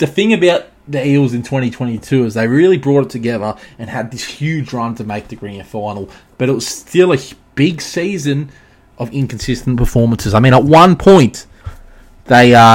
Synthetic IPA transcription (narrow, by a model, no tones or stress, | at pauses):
ðɨθɪ̃ŋɨbaʊt̪̚ðɨilˠzɨ̃ntʰw̥ɛ̃ɾ̃itʰw̥ɛ̃ɾ̃itʰʉɨzðeɪɹɪlˠibɹɔɾɨtʰɨɡɛðə˞ɨ̃nɨd̪̚ðɪshjʉd͡ʒɹʌ̃ntʰɨmeɪk̚ðɨɡɹĩnfãɪ̃nl̩ˠ | b̥ʌɾɨt̚wʌz̥stɪlˠɨb̥ɪɡsizɨ̃n | ʔʌvɪ̃nkn̩sɪstn̩pʰə˞fɔɹmə̃n̩sɨzaɪmĩñət̚wʌ̃npʰɔ̃ɪ̃n | ðeɪʌ